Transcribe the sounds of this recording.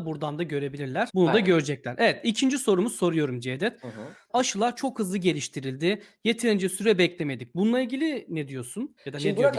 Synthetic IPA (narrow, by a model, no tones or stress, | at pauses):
buɾd̪and̪aɟø̞ɾe̞bilʲiɾlʲæɾ̥bunud̪aɟø̞ɾd͡ʒɛclʲæɾʔevɛt̪icʰind͡ʒiso̞ɾumu̥so̞ɾujo̞ɾumd͡ʒed̪ɛt̪ | aʃɯlˠat͡ʃʰo̞khɯzlˠɯɟe̞lʲiʃt̪ʰiɾilʲd̪ɪje̞t̪ʰeɾind͡ʒɛsyɾɛbɛclʲe̞me̞d̪ic̚bunlˠailɟilʲinɛd̪ijo̞sunjad̪anei